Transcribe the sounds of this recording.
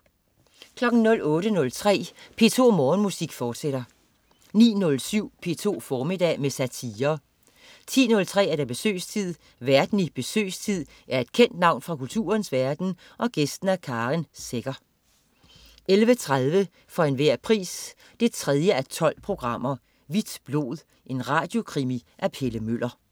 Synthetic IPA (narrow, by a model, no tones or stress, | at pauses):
kʰlɒ̽ɡ̥n̩nɔ̽lɔ̽ːɾənɔ̽lt͡sʰʁɛ̰ːpʰe̝̰ːt͡sʰo̝̰ːmɒːnmusiɡ̥fɒːd̥seɾ̥ɐ | nḭːnɔ̽lsyʊ̰pʰe̝ːt͡sʰo̝̰ːfɒːmid̥ɛ̰ːmesæt͡sʰiːɐ | t͡sʰḭːnɔ̽lt͡sʰʁɛ̰ːæɐɾ̥æb̥e̝sø̰ːst͡sʰið̰ˠ | ʋæɐd̥n̩ib̥e̝sø̰ːst͡sʰið̰ˠ | ʔæɐe̝d̥̚kʰen̰d̥nɑ̈ʊ̰nfʁɑ̈kult͡sʰṵːɐnsʋæɐd̥n̩ | ʔɒ̽ɡ̥esd̥n̩ækʰɑ̈ːʁinseɡ̥ɐ | ʔelʋət͡sʰʁaðˠʋə | fɒ̽e̝nʋæɐ̰pʰʁḭːs | d̥e̝t͡sʰʁɛð̞ˠjəæt͡sʰɒ̽l̰pʰʁo̝ɡ̥ʁɑ̈m̰ɐ | ʋid̥b̥lo̝̰ːð̞ˠ | ʔe̝nʁɑ̈ːd̥jo̝kʰʁimiʔæpʰeləmøl̰ɐ